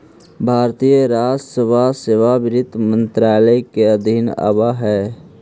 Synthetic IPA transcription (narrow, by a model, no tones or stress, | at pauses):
bʱaːɾt̪ijəɾaːd͡ʒsəbʱaseːʋabɪɾɪt̪ːmə̃nt̪ɾaːləkeəd̪ʱina̰baɦɛː